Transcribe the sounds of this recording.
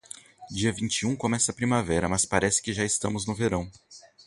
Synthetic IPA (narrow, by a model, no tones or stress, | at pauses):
d͡ʒiɐvĩnt͡ʃiũkõmɛsɐpɾimavɛɾɐmɐspaɾɛsɪ̥kɪʒaɪst̪ɐ̃mʊznʊveɾɐ̃w̃